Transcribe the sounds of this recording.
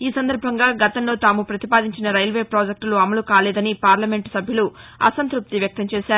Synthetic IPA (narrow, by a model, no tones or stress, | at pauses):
iːsɐnd̪ɐɾbʱɐŋɡaːɡɐt̪ɐnlo̞ːt̪aːmupɾɐt̪ipaːd̪iɲt͡ʃinɐɾɐjlʋe̞ːpɾoːd͡ʒek̚ʈluɐmɐlukaːlɛːd̪ɐnipaːɾlɐme̞ɳʈsɐbʱjuluɐ̰sɐnt̪ɾup̚t̪iʋjɐk̚t̪ɐmt͡ʃeːʃaːɾu